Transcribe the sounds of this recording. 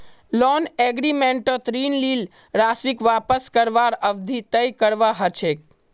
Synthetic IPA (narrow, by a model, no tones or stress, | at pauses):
lɔneɡɾimeɳʈot̪ɾinlil | ɾasikʋapəskəɾʋaɾəʋd̪ʱit̪əjkəɾʋaɦət͡ʃʰek̚